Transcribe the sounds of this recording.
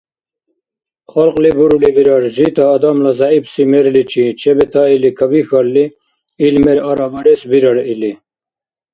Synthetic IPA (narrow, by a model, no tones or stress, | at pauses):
χɐlqlibuɾulibiɾɐɽʑit̪aːd̪amlɐzɑibsimeɾlit͡ɕit͡ɕʰebet̪ɑilikɐbixɐɾli | ilmeɾɐɾabɐɾesbiɾɐɾili